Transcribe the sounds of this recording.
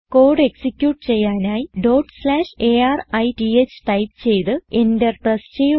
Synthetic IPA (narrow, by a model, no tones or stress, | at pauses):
ko̞ːɖeksikʲjuːʈːɨt͡ɕe̞jːaːnaːjiɖo̞ːʈɨslaːʂe̞ːaːrɐjʈiet͡ɕːɨ̥ʈɐjp̚t͡ɕejt̪ɨenderprɐst͡ɕej